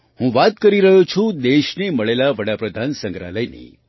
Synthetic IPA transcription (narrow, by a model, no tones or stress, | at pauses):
hũʋat̪kəɾiɾəɦut͡ʃʰũd̪eʃneməɭelaʋəɽapɾəd̪ʱansə̃ŋɡɾa̰ləjnḭ